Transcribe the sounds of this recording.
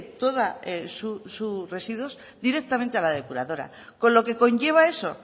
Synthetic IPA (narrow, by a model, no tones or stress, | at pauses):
t̪o̞ðaesusure̞siðwo̞s | d̪iɾe̞k̚t̪amẽnt̪ealað̞e̞puɾaðo̞ɾa̰ | ko̞nlo̞ke̞ko̞ɲʝe̞β̞ae̞so̞